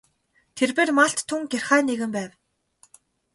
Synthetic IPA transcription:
t̪ʰerpeːrmaɬt̪ʰːuŋɡʲerχæːneɣɘ̆mpæːw

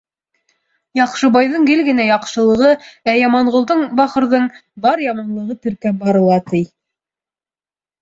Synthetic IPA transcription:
jɑqʃɤ̆bɑjðɤɴɡɘlɡɘ̆næjɑqʃɤ̆lˠɤ̆ʁɤæjɑmɑɴʁŏlˠd̪ɤɴbɑχɤ̆ɾðɤɴbɑɾjɑmɑnlˠɤ̆ʁɤt̪ɘ̆ɾkæbɑɾɤ̆lˠɑt̪ɘj

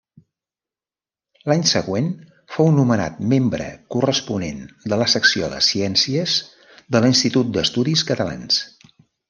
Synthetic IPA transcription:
laɲsəɣwen | fownuməna̰t̪membɾə̰kurəspunḛnd̪ələsəksioðə̰siɛnsiəz | ðəlinst̪it̪ut̪̚d̪əst̪uðiskət̪əla̰ns

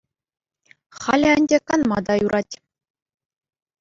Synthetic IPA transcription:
χɑlʲɘ̆ɘ̆nʲdʲekɑnmɑd̪ɑjuɾʔɑtʲ

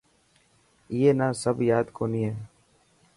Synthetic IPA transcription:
iːeːnaːsəbjaːd̪koːniːɦɛː

